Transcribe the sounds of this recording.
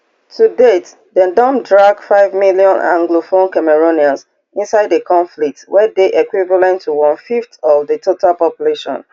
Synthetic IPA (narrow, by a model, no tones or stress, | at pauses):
tʰudet | dɛ̃ndɔ̃mdɹaɡfaɪvmiliɔ̃nã̰ŋɡlofõnkamɛɹoniãns | ĩnsaɪdekʰɔ̃ɱflik̚twɛdeʔɛkwivalɛ̃ntʰːuwɔ̃nfiftɔvdətʰotʰalpɔpjuleʃɔ̰̃n